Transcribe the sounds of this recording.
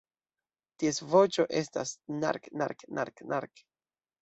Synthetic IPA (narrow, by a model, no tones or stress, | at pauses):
tiesvot͡ʃo̞ʔe̞sta̰sna̰ɾkna̰ɾkna̰ɾkna̰ɾk